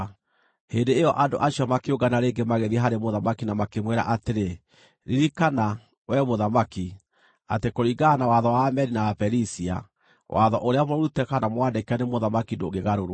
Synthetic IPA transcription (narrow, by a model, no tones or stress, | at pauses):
hendeːjɔʔando̰ʔaɕiɔmakeoɡanaɾeːŋɡemaɣeðiaɦaɾemoðamakinamakemwɛɾa̰ʔateɾe | ɾiɾikana | wɛmoðamaki | atekoɾiɡanawaðɔwamɛɾinaapɛɾisia̰ | wa̰ðɔʔoɾeamɔɾutɛkanamwandekanemoðamakindo̰ɡeɣaɾoɾo